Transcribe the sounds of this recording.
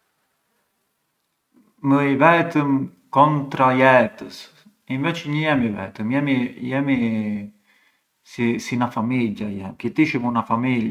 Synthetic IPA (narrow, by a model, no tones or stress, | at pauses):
məivɛt̪əm | kɔnt̪ɾajɛt̪əs | invɛt͡ʃɲəjɛmivɛ̰t̪əmjɛmijɛmi | sisinafamiljajɛ̰mkit̪iʃəmunafamila